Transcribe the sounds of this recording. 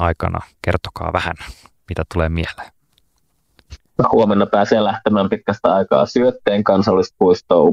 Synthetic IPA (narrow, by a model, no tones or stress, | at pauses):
ɑjkɑ̰nɑ̰kert̪o̥kɑ̰ːʋæhæ̰nmit̪æt̪uleːmielːˑe̥ | jɑhuomenːɑpæːseːlæht̪emæːmpit̪̚kæst̪æɑjkɑ̰ːsyøt̪ːeːŋkɑnsɑlːist̪̚puist̪o̰ːu